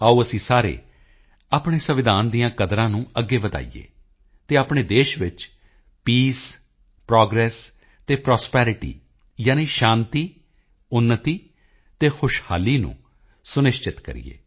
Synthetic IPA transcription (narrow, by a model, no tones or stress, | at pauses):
aːuːəsĩːsaːɾḛː | aːpɳeːsəʋɪd̪aːnd̪ijãːkəd̪ɾãːnũːəɡːeːʋəd̪a̰ːḭjḛː | t̪eːaːpɳ̃eːd̪eːʃʋɪt͡ʃ | piːs | pɾaːɡɾɛːs | t̪eːpɾɔːspɛːɾɪʈḭː | jaːniːʃãːnt̪iː | ʊnːət̪iː | t̪eːxʰʊʃha̰ːliːnṵ̃ː | sʊnɪst͡ʃɪt̪kə̰ɾḭjḛː